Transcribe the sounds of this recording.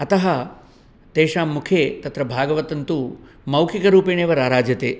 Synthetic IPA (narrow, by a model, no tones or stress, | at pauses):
ɐt̪ɐɦɐ | t̪eːʂaːmːukʰeːt̪ɐt̪ɾɐbʱaːɡɐʋɐt̪ɐnt̪u | mɐwkʰikɐɾuːpeɳeːʋɐɾaːɾaːd͡ʒjɐt̪eː